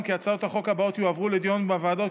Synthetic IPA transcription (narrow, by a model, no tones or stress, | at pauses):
mkiat͡saot̪haχo̞khabaot̪juavʁuled̪jonbavaːd̪o̞t